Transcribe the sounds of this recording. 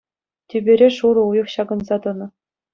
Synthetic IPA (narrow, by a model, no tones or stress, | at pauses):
tʲebʲeɾʲeʂuɾɤ̆ujɤ̆χɕɑɡɤ̆nzɑt̪ɤ̆nɤ̆